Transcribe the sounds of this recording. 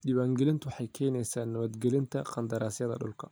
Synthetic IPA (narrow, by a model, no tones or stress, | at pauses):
ɗɪβaːŋɡɛlɪnt̪ʰʊwɑħɑjkʰɛːnɛjsaːnːɐβɐd̪ɡɛlɪnt̪ʰɐqɑnd̪ɐɾaːsjɐðɐ̰ɗʊ̰lkʰɐ̥